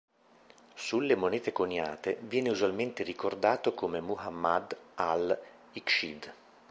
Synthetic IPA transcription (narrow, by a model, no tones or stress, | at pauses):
sulːemonɛːt̪ekonja̰ːt̪evjɛːneuzwalment̪erikord̪aːt̪okomemuɦamːad̪al | ikʃid̪